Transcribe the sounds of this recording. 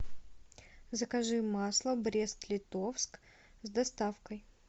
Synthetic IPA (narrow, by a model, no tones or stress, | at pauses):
zəkɐʐɨmaslˠəbɾʲest̪lʲɪt̪ofsk | zd̪ɐst̪afkəj